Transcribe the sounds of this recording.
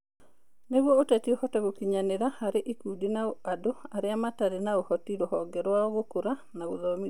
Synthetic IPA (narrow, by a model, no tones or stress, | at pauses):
neɣwɔotɛtiohɔtɛɣokiɲaneɾahaɾeʔikudinaoadoaɾeamataɾenaohɔtiɾohɔɡɛɾwaɔɣokoɾanaɣoðɔmi